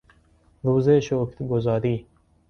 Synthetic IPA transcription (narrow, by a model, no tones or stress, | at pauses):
ɾuːzeːʃoːkʰt̪ɡozɑːɾiː